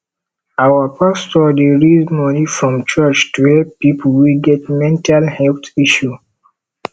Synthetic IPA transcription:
awapastɔdeɹizmɔnifɹɔ̃mt͡ʃat͡ʃtuhɛlppːipulwiɡɛt̚mɛ̃ntalhɛltiʃu

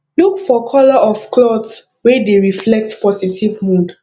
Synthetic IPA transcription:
lukfɔkʰɔlɔʔɔfklɔds | wɛdeɹiflɛk̚tpɔsitʰivmũd

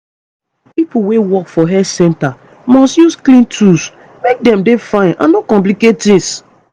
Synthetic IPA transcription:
pipuwewɔkfɔɦɛsɛ̃nta | mɔstjusklĩntʰus | mek̚dɛ̃mdefãɪ̃nã̰nːokɔ̃mp̬likettĩns

